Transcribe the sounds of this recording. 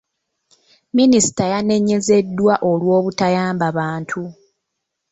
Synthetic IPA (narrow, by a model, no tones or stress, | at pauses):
minisi̥tajane̞ɲe̞ze̞dːwaʔo̞lwo̞ːβutajaːmbaβaːntʰu